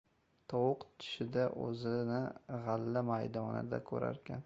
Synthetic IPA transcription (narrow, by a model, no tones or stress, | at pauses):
t̪ʰɒwʊqt̪ʰɪ̥ʃɪd̪aʔɵ̰zɪnɪʁɑlːamajd̪ɒnɪ̰d̪a̰kʰɵ̰ɾa̰ɾkʲʰan